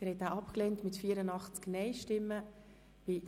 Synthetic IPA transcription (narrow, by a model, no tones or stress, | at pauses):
ɪɾhɛtaːɑpklɛːntmɪtfiːəɾənɑχt͡sknɛɪʃtɪmːə | b̥ɪ